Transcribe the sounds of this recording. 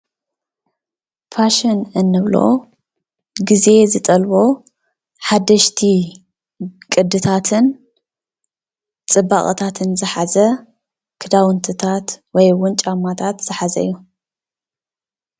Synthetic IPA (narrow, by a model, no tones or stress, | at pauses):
pʰaʃɐnɨnːɨβlo̞̰ | ɡize̞zɨt̪ʼɐlbo̞ | ħad̪ɐʃt̪ʰi | kʼɨd̪ɨt̪ʰat̪ʰɨn | t͡sʼɨbaχʼɐ̰t̪ʰat̪ʰɨnzɨħazɐ | kʰɨd̪awɨnt̪ʰɨt̪ʰat̪wɔjwʊnt͡ʃʼamːat̪ʰat̪z̥ɨħazɐ̰jːu